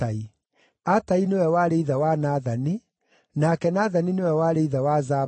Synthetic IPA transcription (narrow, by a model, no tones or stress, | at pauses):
ai | atainewɛwaːɾeiðawanaːðani | nakɛnaːðaninewɛwaːɾeiðawaza